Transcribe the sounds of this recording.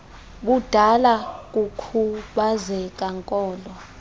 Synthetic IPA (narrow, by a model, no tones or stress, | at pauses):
ɓud̥ʱalak̬ʼukʰuɓazɛk̬ʼaŋkʼɔːlɔ